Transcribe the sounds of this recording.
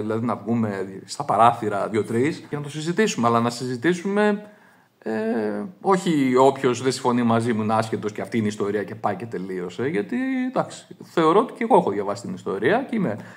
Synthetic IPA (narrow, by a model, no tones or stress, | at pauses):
ðilɐðinɐvɣume̞st̪ɐpɐɾɐθiɾɐðʝo̞t̪ɾisenɐt̪o̞sizit̪isumeɐlɐnɐsizit̪isume̞ | e | o̞çio̞pço̞sðesĩ̥ɱfo̞nimɐzimunɐscet̪o̞sceɐft̪iineist̪o̞ɾiɐce̞pɐice̞t̪e̞lio̞seʝɐt̪id̪ɐksi̥θe̞o̞ɾo̞ot̪i̥ceɣo̞exoðʝɐvɐsi̥st̪inist̪o̞ɾiɐceime